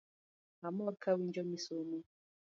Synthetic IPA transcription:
amɔkʰawind͡ʒɔmisɔmɔ

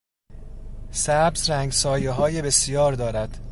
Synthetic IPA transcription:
sæbzɾæːŋɡsɒːjeɦɒːjebe̞sjɒːɾd̪ɒːɾæd̪̥

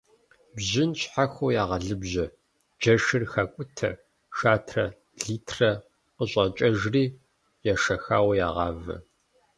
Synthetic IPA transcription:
bʑɪnɕħaxʷowjaːʁɐɮɨbʑɐ | d͡ʒɐʂɨrxakʷʼʊtʰɐ̰ | ʃaːtʰrɐ | ɮiːtʰrɐ | qəɕʼɐt͡ʃʼɐʒriː | jaːʂɐxa̰ːwɐja̰ːʁɑːvɐ̰

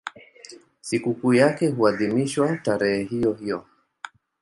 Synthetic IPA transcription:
sikukuːjakɛɦuaðimiʃwataɾɛhɛɦijɔhijɔ

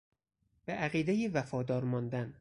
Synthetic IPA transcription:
b̥eʔæɣiːd̪ejiːvæfɒːd̪ɒːɾmɒːnd̪æn

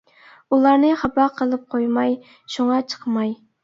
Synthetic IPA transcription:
ulˠɑɾnɨχɑbɑqʰəlˠɨp̚qʰojmɑj | ʃuŋɑt͡ʃʰə̥qmɑj

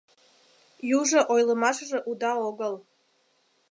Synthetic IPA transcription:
juʐɐʔojləmaʂʐəʔud̪aoɡəl

